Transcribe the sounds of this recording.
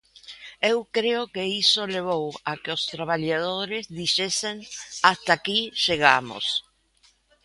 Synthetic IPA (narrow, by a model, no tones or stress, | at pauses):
ewkɾeokeiso̞leβowakeost̪ɾaβaʎaðoɾezðiʃesenast̪akiʒeɣamo̰s